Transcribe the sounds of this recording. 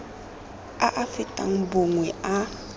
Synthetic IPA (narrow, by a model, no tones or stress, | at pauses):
aʔafɪtʼa̰ŋ̩boŋwɛa